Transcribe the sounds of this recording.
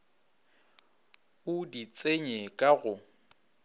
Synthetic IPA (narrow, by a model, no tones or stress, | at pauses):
ʊdit͡sʼeɲekʼaɣʊ